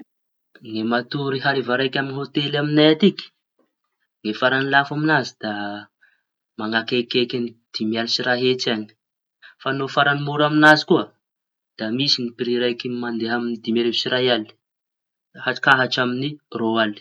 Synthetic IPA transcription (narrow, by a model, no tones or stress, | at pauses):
ŋemat̪uɾiɦaɾivaɾajkʲaminiɦot̪elaminajat̪iki̥ | ŋefaɾanilafaminazid̪a | maŋakekekinid̪̥imialisiɾaɦet͡sani̥ | fanofaɾanimuɾaminazi̥kuə | d̪̥amisinipiɾiɾajkimand̪eɦaminid̪imeɾevisiɾajali̥ | haʈ͡ʂi̥kaɦaʈ͡ʂaminiroali̥